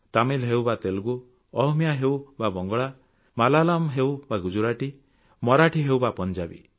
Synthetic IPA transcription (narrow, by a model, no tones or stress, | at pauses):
t̪amilɦewbat̪elɡu | ɔɦmijaɦewbabɔŋɡɔɭa | malalamɦewbaɡud͡ʒuɾaʈi | mɔɾaʈʰiɦewbapɔnd͡ʒabḭ